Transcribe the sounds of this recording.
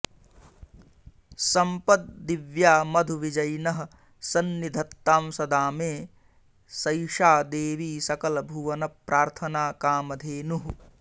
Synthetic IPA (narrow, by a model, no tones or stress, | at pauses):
sɐmpɐt̪̚d̪iʋjaːmɐd̪ʱuʋid͡ʒɐjnɐɦɐ̆ | sɐnːid̪ʱɐt̪ːaːmsɐd̪aːmeː | sɐjʃaːd̪eːʋiːsɐkɐlɐbʱuʋɐnɐpɾaːɾt̪ʰɐnaːkaːmɐd̪ʱeːnuɦu